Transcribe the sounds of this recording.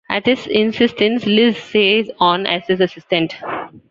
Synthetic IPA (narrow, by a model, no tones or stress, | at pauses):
æʈɪsɪ̃nsɪsʈə̃nslɪzseːzɔ̃ːnæ̰zɪzɐsɪsʈə̃ɳʈ